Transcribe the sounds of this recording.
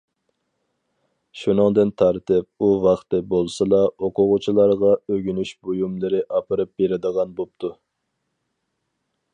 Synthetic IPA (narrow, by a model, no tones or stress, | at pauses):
ʃunɨŋd̪ɨnt̪ʰɑɾt̪ɪp̚uvɑχt̪ɨbolˠsɨlˠɑoqʰʊʁʊt͡ʃʰilˠɑɾʁɑøɡʲynyʃbojumlˠɨɾɪʔɑpʰɨɾɨp̚beɾɪd̪əʁɑnbop̚t̪ʰu